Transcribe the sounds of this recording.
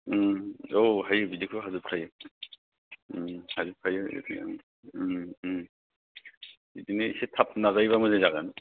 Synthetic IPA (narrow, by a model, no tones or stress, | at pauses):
oɦajɯbidikʰɯɦazupʰajɯ | hazupʰajɯḭd̰ | idineisetʰap̚nazajβamɯzezaɡan